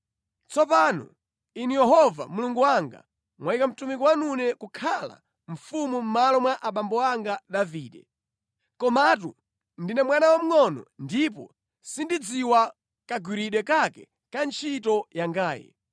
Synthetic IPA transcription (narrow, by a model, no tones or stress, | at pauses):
t͡sɔp̬aːnɔ̰ | inijɛɦɔva̰muluŋɡuwaŋɡa̰ | mwaikam̩tumikɔwanunɛkukʰala̰ | ɱ̩fumum̩malɔmwaʔaɓambɔaŋɡaɗaviːɗɛ̰ | kɔmat̬u | ndinɛmwanawam̩ŋɔnɔ̰ndip̬ɔ̰ | sindid͡ziwa | kaɡwiɾiɗwɛkakɛ̰ | kant͡ʃʰitɔjaŋɡaːjɛ̰